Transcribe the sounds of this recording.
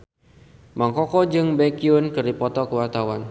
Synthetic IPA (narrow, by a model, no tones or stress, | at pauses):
maŋkɔkɔd͡ʒɨŋbɛkiunkɨrdipɔt̪ɔkəwart̪awan